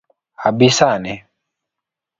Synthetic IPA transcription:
abisanɛ

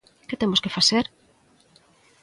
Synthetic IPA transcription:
ket̪emoskefaseɾ

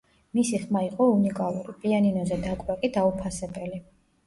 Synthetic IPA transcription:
misiχmaiqʼɔunikʼalˠuɾipʼianinɔzɛd̪akʼwɛkʼid̪aupʰasɛbɛli

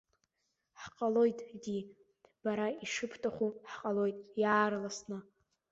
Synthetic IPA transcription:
ħqʼalo̞jtʼdi | b̥aɾaiʂɨpʰtʼaχʷuħqʼalo̞jtʼjaːrlasnɨ

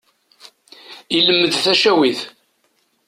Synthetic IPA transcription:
iləmːəðθæʃæwiθ

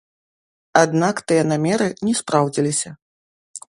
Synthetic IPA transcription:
ad̪nakt̪ɨjɐnamʲɛɾɨnʲɛspɾawd͡zʲilʲisʲɐ

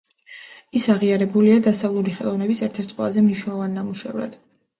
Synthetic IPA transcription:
isaʁiaɾɛbuliad̪asavlˠuliχɛlˠɔvnɛbisɛɾt̪ʰɛɾt̪ʰqʼwɛ̰lˠazɛmniʃwnɛlˠɔvanːamuʃɛ̰vɾa̰d̪̥

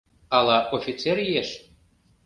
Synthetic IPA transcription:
ɑlˠɑʔofʲit͡seɾjieʃ

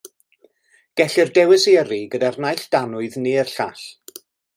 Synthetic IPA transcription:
ɡ̥ɛɬɪrdɛwɪsiəɾiɡədarnajɬd̥anʊɨðneərɬaɬ

